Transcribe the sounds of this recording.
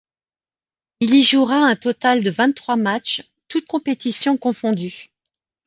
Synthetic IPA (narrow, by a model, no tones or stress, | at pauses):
iliʒuʁaɛ̃t̪ɔt̪ald̪əvɛ̃t̪ːχwamat͡ʃ | t̪ut̪̚kɔ̃pet̪isjɔ̃kɔ̃fɔ̃d̪y